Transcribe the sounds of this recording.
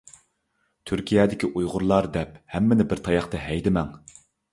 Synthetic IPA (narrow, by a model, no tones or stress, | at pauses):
t̪ʰyɾkʲʰijɛːd̪ɪkʲiʔujʁʊɾlˠɑɾd̪ɛphɛmːɪnɪbɪɾt̪ʰɑjɑχt̪ɑɦɛjd̪ɪmɛŋ